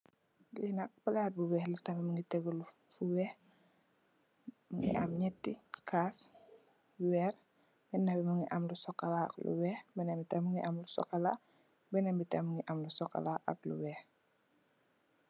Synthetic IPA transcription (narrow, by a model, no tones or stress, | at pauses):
linɐk̚bɐlat̚buwɛːhlutɐmɛməŋɡitɛɡulu | fuwɛh | mŋɡḭʔa̰mɲɛtːikʰaːs | wɛːɾ | bɛnɐbɛməŋɡiʔamlusɔkːɐlaɐ̰klṵwɛːxbɛnɛmbitɛmuŋɡiʔamlusɔ̰kːɐla | bɛnɛmbitɛməŋɡiʔɐmlusɔkːɐ̰laʔɐ̰k̚lṵwɛːx